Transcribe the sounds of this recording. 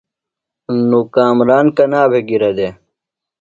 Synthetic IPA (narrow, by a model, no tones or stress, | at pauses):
nːukaːmɾaːnkɐnaːbeɡiɾɐd̪e